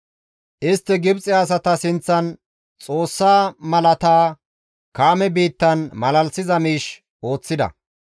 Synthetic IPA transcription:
ʔɪst̪ːɛɡɪbt͡sʼɪɐs̬ɐt̪ɐsɪnt͡sːɐn | t͡sʼo̞ːsːaːmɐlɐt̪aː | kaːmɛbiːt̪ːɐnmɐlɐlsɪzɐmiːʃ | ʔo̞ːt͡sːɪd̪ɐ̰

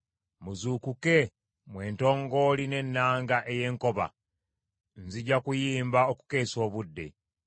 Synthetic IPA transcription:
muzukuke̞ | mwe̞ːnto̞ːŋɡo̞line̞nːaːŋɡaʔeje̞ːŋko̞βa̰ | nziɟakujiːmbaoku̥ke̞ːso̞ːβudːe̞̰

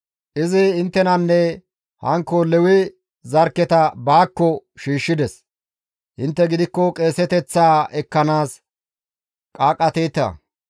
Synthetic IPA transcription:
ʔɪzɪɪnt̪ːɛnɐnːɛ | hɐŋkːɔlɛwɪ | zɐɾkːɛt̪ɐbaːkːɔʃiːʃːɪd̪ɛs | hɪnt̪ːɛɡɪd̪ɪkːɔkʼe̞ːsɛt̪ɛt͡sːaːɛkːɐnaːs | kʼaːkʼːɐt̪ɛjt̪ːɐ̰

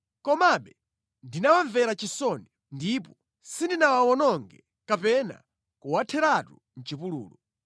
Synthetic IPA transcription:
kɔmaɓɛ | ndinawaɱvɛɾat͡ʃisɔnɛ | ndipɔ | sindinawawɔnɔŋɡɛ | kapɛna̰ | kuwatʰɛɾatu | n̩t͡ʃipulṵːlɔ

